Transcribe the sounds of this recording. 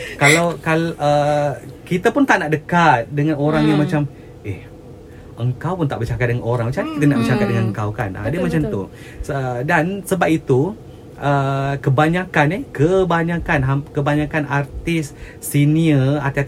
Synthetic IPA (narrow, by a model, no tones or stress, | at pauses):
kalawkalʔəkit̪apʊnt̪aʔnaʔdəkat̪̚dəŋãnoɾaŋjaŋmat͡ʃam | ʔɛh | ʔəŋkawpʊnt̪aʔbərt͡ʃakat̪̚dəŋanoɾaŋmat͡ʃakit̪ənaʔbət͡ʃakat̪̚dəŋanəŋkawka̰na̰dəmat͡ʃamt̪u | ədansəbap̚it̪u | ʔəkəbaɲakanehkəbaɲãkanɦakəbaɲakanart̪ɪsː | iniəa̰rt̪ia